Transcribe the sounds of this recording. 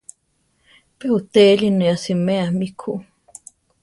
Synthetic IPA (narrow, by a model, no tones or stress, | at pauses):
pehut̪elineasimeamikʰu